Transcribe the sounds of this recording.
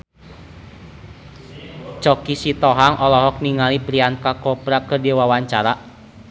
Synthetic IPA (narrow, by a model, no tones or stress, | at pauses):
t͡ʃɔkisit̪ɔɦaŋʔɔlɔɦɔk̚niŋalipɾiankakɔpɾakədewawaɲt͡ʃaɾa